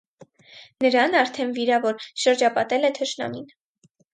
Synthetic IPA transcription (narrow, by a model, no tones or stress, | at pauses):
nəɾɑnɑɾt̪ʰɛnviɾɑvɔɾʃəɾd͡ʒɑpɑt̪ɛlɛt̪ʰəʃnɑ̰nin